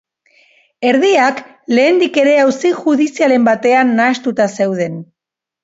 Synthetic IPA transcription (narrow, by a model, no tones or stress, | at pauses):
e̞ɾðiak | le̞ːnd̪ike̞ɾe̞awsiʝuðisiale̞mbat̪e̞anːaest̪ut̪ase̞wð̞e̞n